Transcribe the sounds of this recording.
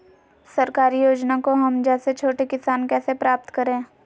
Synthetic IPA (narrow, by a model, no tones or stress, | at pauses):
sɐɾkaːɾijoːd͡ʒnakoɦɐmd͡ʒɛːset͡ʃʰoːʈekɪsaːnkɛːsepɾaːp̚t̪kɐɾẽː